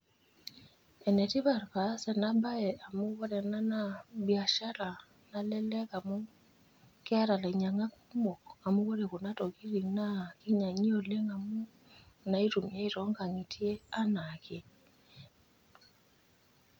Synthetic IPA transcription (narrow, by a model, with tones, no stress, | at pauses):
ɛ˨nɛ˨ti˦βa˨rpa˨˦sɛ˨na˦ba˦ɛ˨a˨mu˦βɔ˦ɾɛ˨na˦na˦bja˨ʃa˦la˨ | na˦lɛ˦lɛ˦ka˨mo˦ | kɪ˦a˦ɾa˨lɛ˨ɲa˨ŋa˦ku˦mo˨ka˨mu˦βo˦ɾe˨ko˨na˦to˨ki˦ɾi˨ŋna˦ki˦ɲa˨ɲi˦o˨le˦ŋa˨mu˦ | na˦i˦tu˨mja˦i˦tɔ˦ŋɡa˨ŋi˨ti˦e˦a˦nake˦